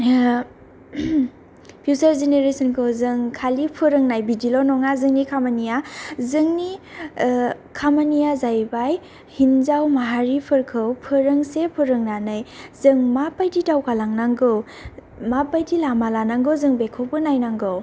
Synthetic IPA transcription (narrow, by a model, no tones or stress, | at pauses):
pʰjusaɾzeneɾesɯnkʰɯzɯŋkʰalipʰɯɾɯŋnajbidilɔnɔŋazɯŋnikʰamanijazɯŋni | kʰamanijazajbaj | hinzawmaɦaɾipʰɯɾkʰɯwpʰɯɾɯŋsepʰɯɾɯŋnanɯjzɯŋmapajditawkʰalaŋnaŋɡɯw | mapajdilamalanaŋɡɯwzɯŋbekʰowpɯnajnaŋɡɯw